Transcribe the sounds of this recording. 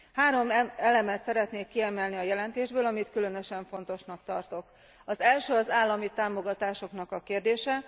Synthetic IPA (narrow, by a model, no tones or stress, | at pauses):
haːɾo̞mɛlɛmɛt̪sɛɾɛt̪neːkːiɛmɛlniɒjɛlɛnt̪eːʒbøːlɒmit̪kylø̞nø̞ʃɛɱfo̞n̪t̪o̞ʃnɒkt̪ɒrt̪o̞k | ɒzɛlʃøːɒzaːlːɒmit̪aːmo̞ɡɒt̪aːʃo̞knɒkɒkeːrd̪eːʃɛ